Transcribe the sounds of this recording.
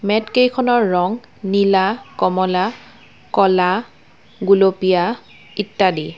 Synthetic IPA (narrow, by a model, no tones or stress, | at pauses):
mɛtkejkʰɔnɔɹːɔŋ | nilakɔmɔla | kɔla | ɡulopija | itːadi